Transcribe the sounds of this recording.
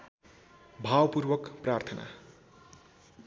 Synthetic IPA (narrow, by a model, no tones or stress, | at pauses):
bʱawpurwʌkprart̪ʰʌna̰